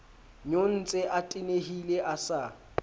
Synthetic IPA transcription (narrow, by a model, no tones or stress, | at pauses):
ɲon̩t͡sʼeʔatʼɪneɦileʔasa